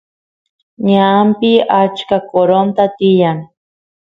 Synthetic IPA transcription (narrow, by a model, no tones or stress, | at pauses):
ɲampɪat͡ʃkakoɾont̪at̪ɪjaŋ